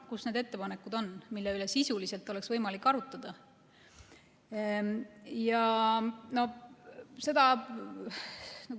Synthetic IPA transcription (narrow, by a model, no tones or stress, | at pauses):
kusne̞d̪e̞t̪ːe̞pɑnekːˑud̪o̞nmilːeyle̞sisulise̞lt̪ːˑo̞le̞ksvɤjmɑlikːˑɑɾut̪ːˑɑd̪̥ɑ | jɑ | no̞ | se̞d̪̥ɑ | nɑ